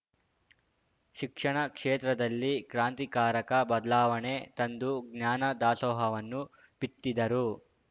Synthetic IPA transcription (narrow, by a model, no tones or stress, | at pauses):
ʃikʂɐɳɐkʂeːt̪ɾɐd̪ɐlːikɾaːnt̪ikaːɾɐkɐbɐd̪ɐlaːʋɐɳet̪ɐnd̪uɡɲaːnɐd̪aːsɔːɦɐʋɐnːu | pit̪ːid̪ɐɾu